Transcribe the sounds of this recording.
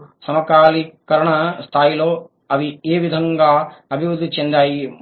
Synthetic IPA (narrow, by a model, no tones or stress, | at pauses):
sɐmɐkaːlikɐɾɐɳɐst̪ʰaːjiloː | ɐʋieːʋid̪ʱɐŋɡaːɐbʱiʋɾud̪ʱːit͡ʃend̪aːji